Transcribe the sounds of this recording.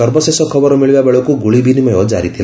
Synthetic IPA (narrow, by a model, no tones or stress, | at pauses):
ʌrbʌsesɔkʰʌbʌɾmiɭbabeɭɔkuɡuɭibinimʌjɦod͡zaɾit̪ʰil